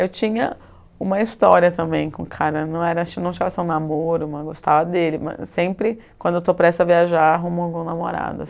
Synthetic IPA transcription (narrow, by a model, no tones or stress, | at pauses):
ewt͡ʃĩɲɐ | ũmɐist̪ɔɾiɐt̪ɐ̃mbẽj̃kõkʰaɾɐnɐ̃w̃ɛɾɐnɐ̃w̃t͡ʃavɐsẽũnamoɾʊmɐ̃ɡost̪avɐd̪elɪmɐ̰sẽpɾɪ | kw̃nd̪ʊewt̪opɾɛst̪ʊɐviaʒaɾaɦumõɡũnamoɾa̰d̪ʊ